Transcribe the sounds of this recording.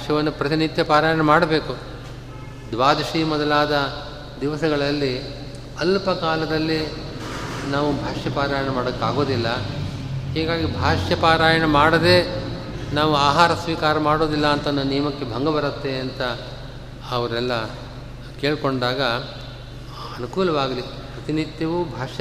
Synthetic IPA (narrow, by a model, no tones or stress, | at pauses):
aʂjɐʋɐnːupɾɐt̪init̪jɐpaːɾaːjɐɳɐmaːɽɐbe̞ːku | d̪ʋaːd̪ɐʃiːmɔd̪ɐlaːd̪ɐ | d̪iʋɐsɐɡɐɭɐlːi | ɐlpɐkaːlɐd̪ɐlːi | naːʋubʱaːʂjɐpaːɾaːjɐɳɐmaːɽɐkːaːɡo̞ːd̪ilːɐ | hɛːɡaːɡibʱaːʂjɐpaːɾaːjɐɳɐmaːɽɐd̪e̞ː | naːʋuaːɦaːɾɐsʋiːkaːɾɐmaːɽo̞ːd̪ilːɐːnt̪ɐnːɐnijɐmɐkːe̞bʱɐŋɡɐbɐɾɐt̪ːe̞ɐnt̪ɐ | ɐʋɐɾɛlːɐ | ke̞ːɭko̞ɳɖaːɡɐ | ɐnukuːlɐʋaːɡɐli | pɾɐt̪inid̪jɐʋubʱaːʂjɐ